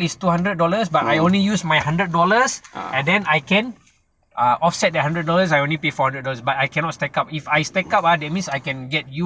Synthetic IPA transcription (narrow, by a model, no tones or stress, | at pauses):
istuhãndɾət̚dɔləsbatajõnlijusmajhãndɹət̚dɔləsɛ̃ndɛ̃najkɛ̃n | ʔaɔfsɛt̚dɛhãndɹət̚dɔləsajõnlipefɔhãndɹəd̚dɔləsbat̚ajkɛ̃nɔtstɛkap̚ifajstɛkap̚adɛt̚mĩnsajkɛ̃nɡɛt̚ju